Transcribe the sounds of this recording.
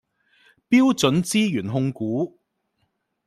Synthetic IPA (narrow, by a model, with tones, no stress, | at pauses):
piː˥wt͡sɵ˨˥nt͡siː˥jyː˨˩nɦʊ˧ŋkuː˨˥